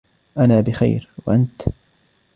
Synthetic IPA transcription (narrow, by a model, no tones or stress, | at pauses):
ʔanaːbɪxa̰jɾwa̰ʔant̪